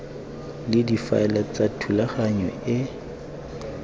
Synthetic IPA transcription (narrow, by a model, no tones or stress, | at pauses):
lɪdifa̰ɛlat͡satʰulaχaɲwɛɪ